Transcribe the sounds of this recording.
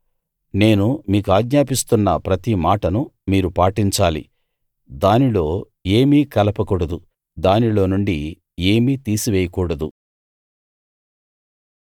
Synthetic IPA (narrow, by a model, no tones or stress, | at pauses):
ne̞ːnumiːkuaːɡɲaːpist̪unːɐpɾɐt̪imaːʈɐnumiːɾupaːʈiɲt͡ʃaːlḭ | d̪aːnilo̞ː | eːmiːkɐlɐpɐkuːɽɐd̪u | d̪aːnilo̞ːnuɳɖi | e̞ːmiːt̪iːsiʋɛːjɐkuːɽɐd̪u